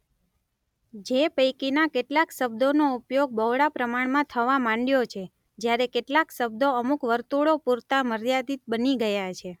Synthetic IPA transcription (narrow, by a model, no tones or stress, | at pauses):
d͡ʒepəjkinakeʈlakʃəbd̪onoupjoɡ̚bəʋɽapɾəmaɳmãt̪ʰəʋamãɳɖjot͡ʃʰe | d͡ʒjaɾekeʈlaksəb̚d̪oəmukʋəɾt̪uɭopuɾt̪aməɾjad̪it̪̚bəniɡəjat͡ʃʰe